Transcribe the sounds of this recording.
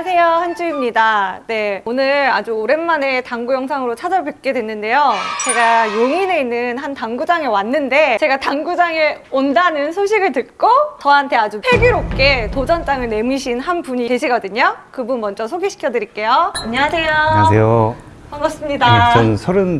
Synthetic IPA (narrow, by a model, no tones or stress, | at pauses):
asʰe̞johant͡ɕuimɲidane̞onɯɭɭad͡ʑuoɾe̞nmane̞taŋɡujʌŋsʰaŋɯɾot͡ɕʰad͡ʑʌɭpek͈e̞dwe̞nːɯnde̞jot͡ɕe̞ɡajoŋine̞inːɯnɦantaŋɡud͡ʑaŋewanːɯnde̞t͡ɕe̞ɡataŋɡud͡ʑaŋeondanɯnsʰoɕʰiɡɯɭtɯt̚k͈ot͡ɕʌɦantʰe̞ad͡ʑupʰe̞ɡiɾop̚k͈e̞tod͡ʑʌnt͈aŋɯɭne̞mɯɕʰinhanpuɲite̞ɕʰiɡʌdɯɲokɯbunmʌnd͡ʑʌsʰoɡiɕʰi̥kʰjʌdɯɾiɭk͈e̞joaɲːʌŋasʰe̞joasʰejo | ʌmas͈ɯmɲidas͈ɯnsʰʌɾɯn